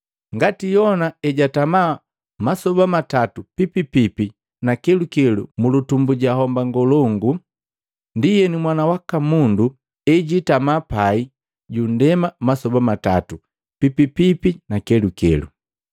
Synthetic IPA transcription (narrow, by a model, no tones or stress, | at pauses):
ŋɡatijɔnaɛɟatama | masɔbamatatupipipipi | nakɛlukɛlṵmulutumbuɟaɦɔmbaŋɡɔlɔŋɡu | ndijɛnimwanawakamundu | ɛɟitamapai | ɟun̩dɛmamasɔbamatatu | pipipipinakɛlukɛ̰lṵ